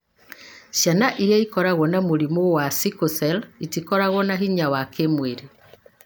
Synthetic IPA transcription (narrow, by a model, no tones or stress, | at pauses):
ʃanaʔiɾjaikɔɾaɣɔnamoɾimowasikosɛlitikɔɾaɣwɔnaɦiɲawakemweɾe